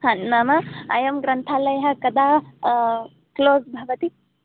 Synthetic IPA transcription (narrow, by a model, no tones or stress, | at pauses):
hɐnmaːmɐɐjɐmɡɾɐnt̪ʰaːlɐjɦɐ̆kɐd̪aː | kloːsbʱɐʋɐt̪i